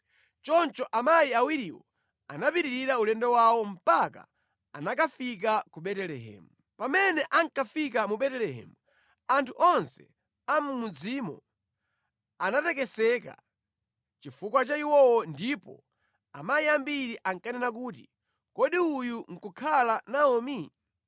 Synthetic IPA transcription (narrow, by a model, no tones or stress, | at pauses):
t͡ʃɔnt͡ʃɔʔamajiawiɾiwɔ̰ | anapiɾiɾiɾaulɛndɛwawɔm̩paka̰ | anakafik̬akuɓɛtɛlɛɦɛ̰ːmu | pamɛnɛʔaŋkafikamuɓɛtɛlɛɦɛ̰mu | antʰuʔɔnsɛ̰ | amumud͡zimɔ̰ | anatɛkɛsɛka̰ | t͡ʃifukwat͡ʃaiwɔwɔndipɔ̰ | a̰maiambiɾiʔaŋkanɛnak̬uːt̬i | kɔɗiujuŋ̩kukʰalanaɔmi